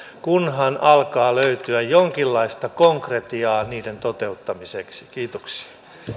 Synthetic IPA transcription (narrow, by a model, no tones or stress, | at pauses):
kunɦɑnʔɑlkɑːløyt̪yæjjoŋkilːɑist̪ɑkoŋkret̪iɑːniːdent̪ot̪e̞ut̪ːɑmiseksi̥kiːt̪oksi̥ɑ̥